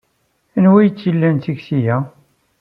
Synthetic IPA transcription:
ænwæjət͡sːjilːænt̪iɡsijæ

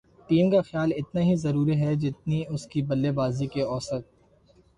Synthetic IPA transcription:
ʈiːmkaxjaːlɪt̪naɦizɐɾuːɾiɦɛd͡ʒɪt̪niʊskibɐlːebaːzikeɔːsət̪̚

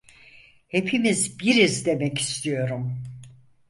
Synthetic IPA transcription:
he̞pʰimizbiɾizd̪e̞mɛci̥st̪ʰijo̞ɾum

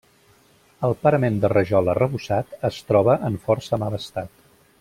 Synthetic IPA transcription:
əlˠpəɾəmend̪ərəʒɔlərəβusat̪əst̪ɾɔβəʔəɱfɔrsəmaləst̪at̪

